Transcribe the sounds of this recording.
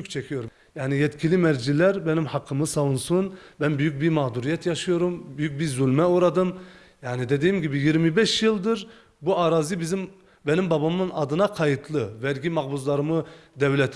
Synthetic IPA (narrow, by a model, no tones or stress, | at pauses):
ykt͡ʃʰɛcʰijo̞ɾu | jaːnijɛt̪cʰilʲimæɾd͡ʒilæɾbɛnimhɑqʰːɯmɯsɑvunsunbænbyjyc̚ʲbiɾmɑːd̪uɾijɛt̪ʰjɑʃɯjo̞ɾumbyjyc̚biɾzulʲmɛuɾad̪ɯm | jaːnid̪ed̪ijimɟibijiɾmibɛʃjɯlˠd̪ɯɾ | buaɾaːzibizim | bɛnimbɑbamɯnɑd̪ɯnɑqʰɑjɯt̪ʰlˠɯvɛɾɟʲimɑɣbuzlˠɑɾɯmɯd̪ɛvlʲɛt̪ʰ